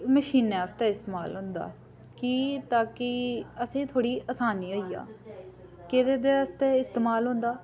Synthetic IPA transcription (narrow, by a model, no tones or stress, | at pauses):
məʃiːneːəst̪eːɪst̪eːmaːlɦʊ̃ːnd̪a̰ː | kiːt̪aːkɪəsĩːt̪ʰoːɽiːəsaːniːoːiːa̰ː | ked̪eːd̪eːəst̪eːɪst̪eːmaːlɦʊ̃ːnd̪aː